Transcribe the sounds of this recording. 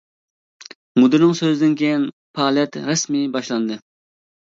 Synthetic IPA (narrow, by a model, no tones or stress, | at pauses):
mud̪ɨɾnɨŋsøzɪd̪ɪnkʲʰejin | pʰɑːlɛt̪ɾɛsmibɑʃlˠɑnd̪ɨ